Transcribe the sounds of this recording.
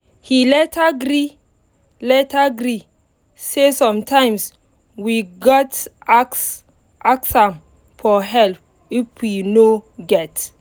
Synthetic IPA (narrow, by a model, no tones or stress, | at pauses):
hilɛtʰaɡɾi | lɛtaɡɾi | sesɔ̃mtʰãɪ̃ms | wiɡɔtaks | ʔaksãm | fɔɦɛlp̚ | ifwinoɡɛt